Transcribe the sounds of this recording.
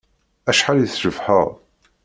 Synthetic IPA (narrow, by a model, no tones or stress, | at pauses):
æʃħaliθʒəvħəʁ